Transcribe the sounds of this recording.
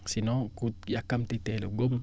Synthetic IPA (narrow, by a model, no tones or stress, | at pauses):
sinɔ̃kujakːamtitɛloɡom